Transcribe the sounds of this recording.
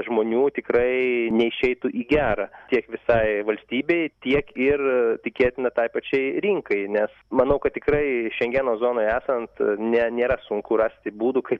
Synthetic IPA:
ʒmoːnʲuːt̪ʲɪkɾɐɪnʲɛɪʃʲɛɪt̪ʊʔiːɡʲæːɾɑtʲiɛkʋʲɪsɐɪʋɐlʲsʲt̪ʲiːbʲeɪt̪ʲiɛkɪrtʲɪkʲeːt̪ʲɪnɐt̪ɐɪpɐt͡ʃʲɛɪɾʲiŋkɐɪnʲɛs | mɐnɐʊkɐt̪tʲɪkɾɐɪʃʲɛŋʲɡʲɛnoːzoːnoːjæːsɐnt̪nʲɛnʲeːɾɐsʊŋkʊrɑːsʲt̪ʲɪbuːd̪ʊkɐɪp

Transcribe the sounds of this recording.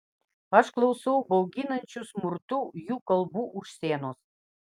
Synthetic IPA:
ɑʃklˠowsowbowɡinə̆nʲt͡ɕusmurt̪ujukəlˠbuʔuʃsenos

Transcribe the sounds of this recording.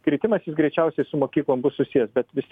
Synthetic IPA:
kɾʲɪt̪ʲɪmɐsjɪsɡɾʲɛɪt͡ʃʲɛʊsʲɛɪsʊmoːkʲiːklˠoːmbʊssʊsʲijɛsbʲɛt̪ʋʲɪst̪ʲ

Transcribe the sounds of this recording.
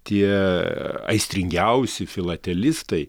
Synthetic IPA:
t̪ʲiɛ | ɐ̰ɪsʲt̪ʲɾʲɪŋʲɡʲɛʊsʲɪfʲɪlˠɐt̪ʲɛlʲɪst̪ɐɪ

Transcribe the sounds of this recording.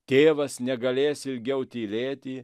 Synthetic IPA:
t̪ʲeːʋɐsnʲɛɡɐlʲeːsɪlʲɡʲɛʊt̪ʲiːlʲeːt̪ʲɪ

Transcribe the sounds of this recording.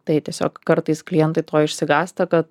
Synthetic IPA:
t̪ɐɪt̪ʲiɛsʲo̰ːkkɐɾt̪ɐɪsklʲɪjɛnt̪ɐɪt̪oːjɪʃʲsʲɪɡɑːst̪ɐkɐt̪

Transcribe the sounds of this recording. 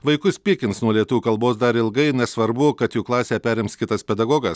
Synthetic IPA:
ʋɐɪkʊsʲpʲiːkʲɪnsnuɔlʲiɛt̪ʊʋʲuːkɐlˠboːsd̪ɐɾɪlˠɡɐɪnʲɛsʋɐɾbʊkɐt̪juːklˠɑːsʲeːpʲæːɾʲɪmskʲɪt̪ɐspʲɛd̪ɐɡoːɡɐs

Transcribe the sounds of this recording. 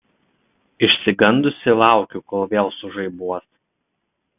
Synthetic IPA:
ɪʃʲsʲɪɡɐnd̪ʊsʲɪlˠɑˑʊkʲukɔlˠʋʲeʊsʊʒɐɪbuɔs

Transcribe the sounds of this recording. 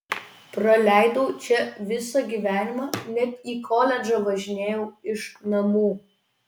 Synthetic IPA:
pɾɐlʲæˑɪd̪oʊt͡ʃʲɛʋʲɪsɐɡʲiːʋʲæːnʲɪmɑːnʲɛt̪iːkʰɔːlʲɛd͡ʒɐʋɐʒʲɪnʲeːjɛʊɪʃnɐmuː

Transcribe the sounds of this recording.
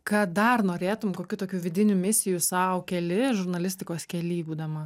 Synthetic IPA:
kɐd̪ɐrnoːɾʲeːt̪ʊmkoːkʲuːt̪oːkʲuːʋʲɪd̪ʲɪnʲumʲɪsʲɪjusɐʊkʲɛlʲɪʒʊɾnɐlʲɪsʲt̪ʲɪkoːskʲɛlʲiːbuːd̪ɐmɐ

